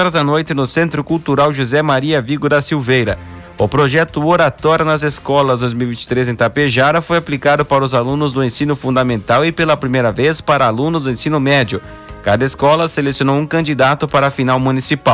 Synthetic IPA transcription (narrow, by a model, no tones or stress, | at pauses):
ɔɾɐzanojt̪ɪnʊsẽnt̪ɾʊkuwt̪uɾawʒuzɛmaɾiɐviɡʊd̪ɐsiwvejɾɐ | ʊpɾoʒɛt̪ʊoɾat̪ɔɾjʊnɐzeskɔlɐzd̪ojzmiwvĩt͡ʃi̥t̪ɾezẽt̪apeʒaɾɐfojaplikad̪ʊpaɾɐʊzalũnʊzd̪ʊẽsĩnʊfũnd̪ɐmẽnt̪awɪpelɐpɾimejɾɐvespaɾɐalũnʊzd̪ʊẽsĩnʊmɛd͡ʒʊ | kad̪ɐeskɔlɐselesjonowũkɐ̃nd͡ʒid̪at̪ʊpaɾɐːfinawmũnisipaw